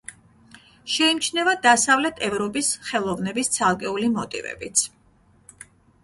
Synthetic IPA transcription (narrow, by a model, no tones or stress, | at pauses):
ʃɛimt͡ʃʰnɛvad̪asavlɛt̪ʰɛvɾɔpʼisχɛlˠɔvnɛbist̪sʰalˠkʼɛulimɔt̪ʼḭvɛ̰bit̪sʰ